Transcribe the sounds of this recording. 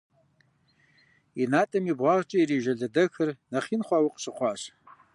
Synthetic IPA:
inatʼɨmibʁʷaʁʈ͡ʂʼaiɾiʒaɮadɨkʰɨrnaχʲinχʷawɨqʼʂʷɨχʷaʂ

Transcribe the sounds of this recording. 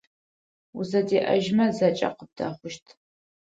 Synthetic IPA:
uzɐdeːʔɐ̰ʒmɐzɐt͡ʃʼɐ̰qəb̚daχʷʊʃtʰ

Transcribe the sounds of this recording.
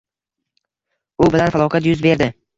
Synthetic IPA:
ʊbɪlanfalˠɒqʰat̪jʊzbe̞ɾd̪ɪ

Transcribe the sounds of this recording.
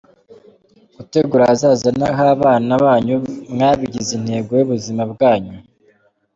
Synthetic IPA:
ɡ̥ute̞ɡuɾaazaːzanaɦaːβaːnaβaːɲumŋaːβiɟizin̥he̞ːɡojuβuzimabɡaːɲu

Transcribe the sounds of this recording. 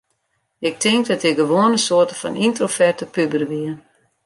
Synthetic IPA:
ɪk̚tʰɪŋk̚dɔtɪɡəʋoːənəsoətəfɔ̰nintrofɛrtəpybərʋiə

